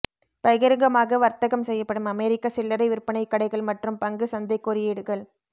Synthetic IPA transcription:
pɐɣɐɾɐŋɡɐmaːɣɐʋɐɾt̪ɐɣɐmsɛjːɐpːɐɽɯmɐmeːɾɪkːɐsɪlːɐɾɐɪʋɪɾpɐɳɐɪkːɐɽɐɪɣɐɭmɐʈrɯmpɐŋɡɯsɐnd̪ɐɪkːɔɾɪjeːɽɯɣɐɭ

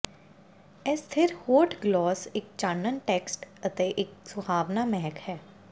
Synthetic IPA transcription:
ɛst̪ʰɪɾhoːʈɡlɔːsɪk̚t͡ʃaːnənʈɛːksʈət̪eːʔɪksʊhaːʋnaːmɛɦəkhɛː

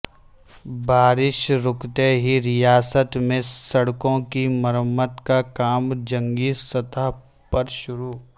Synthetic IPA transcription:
baːɾɪʃɾʊkt̪eɦiɾɪjaːsət̪mẽsɐɽkõkiməɾəmːət̪kakaːmd͡ʒɐ̃ŋɡisɐt̪aː | pɐɾʃʊɾuː

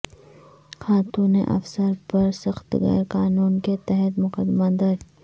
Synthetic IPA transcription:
xaːt̪uːnḛʔɐ̰fsəɾpɐɾsɐxt̪ɣɛ̰ːɾqaːnuːnket̪ɛɦɛt̪mʊqəd̪mad̪ɐɾ

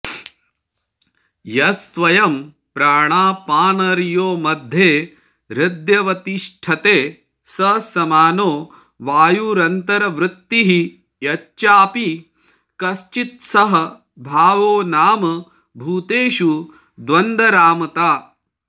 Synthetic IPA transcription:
jɐsʋɐjɐm | pɾaːɳaːpaːnɐɾjoːmɐd̪ʱjeː | ɾɪd̪jɐʋɐt̪iʂʈʰɐt̪eː | sɐsɐmaːnoː | ʋaːjuɾɐnt̪ɐɾɐʋɾɪt̪ːiɦi | jɐt͡ʃt͡ʃaːpi | kɐst͡ʃit̪̚sɐɦɐ̆ | bʱaːʋoːnaːmɐ | bʱuːt̪eːʃu | d̪ʋɐnd̪ʱɐɾaːmɐt̪aː

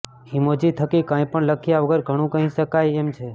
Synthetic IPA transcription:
himod͡ʒit̪ʰəkikãj̃pəɳləkʰijaʋəɡəɾɡʱəɽ̃ũkə̃ɦĩʃəkajemt͡ʃʰe

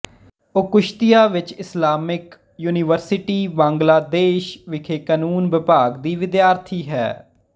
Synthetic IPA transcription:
ʊkʊʃt̪ɪjaːʋɪt͡ʃɪslaːmɪk | juːnɪʋəɾsɪʈiːʋãːŋɡlaːd̪eːʃʋɪkʰeːkaːnuːnʋɪpaːɡd̪iːʋɪd̪jaːɾt̪ʰiːɦɛ̰ː

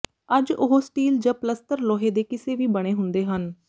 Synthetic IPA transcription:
əd͡ʒʊɦosʈiːld͡ʒãːpləst̪əɾlɔːɦeːd̪eːkɪseːʋiːbəɽ̃eːɦʊnd̪eːɦən

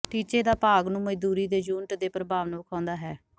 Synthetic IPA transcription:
ʈiːt͡ʃeːd̪aːpaːɡnũːməd͡ʒd̪uːɾiːd̪eːd͡ʒuːnʈd̪eːpɾəbʱaːʋnõːkʰãːnd̪aːɦɛː

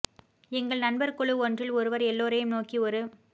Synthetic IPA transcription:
ɛŋɡɐɭnɐnbɐɾkɔɭɯɔndrɪlɔɾɯʋɐɾɛlːoːɾɐjɯmnoːkiɔɾɯ

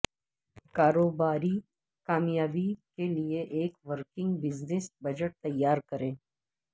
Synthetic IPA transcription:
kaːɾoːbaːɾi | kaːmjaːbikelieʔeːkʋəɾkɪ̃ŋɡbɪznɪsbɐd͡ʒəʈ̚t̪ɐjːaːɾkɐɾẽː

